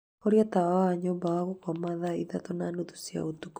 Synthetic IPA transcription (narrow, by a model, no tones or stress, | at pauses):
ɔɾiat̪aaaɲɔbaaɣukwamaðaiðat̪ɔnanut̪u̥sia̰ut̪uk